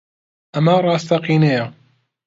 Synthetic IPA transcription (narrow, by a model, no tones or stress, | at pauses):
ʔɐmɐrˤɑːst̪ɐqiːnejɐ